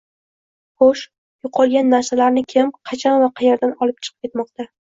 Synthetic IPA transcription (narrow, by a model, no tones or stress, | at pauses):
χoʃ | jʊqʰɒlˠɡʲanːaɾsalaɾnɪkʲʰɪmqʰɑt͡ʃʰanvaqʰɑjeɾd̪anɒlˠɪp̚t͡ʃʰɨ̥qʰɨ̥pkʲʰe̞t̪mɒq̚t̪a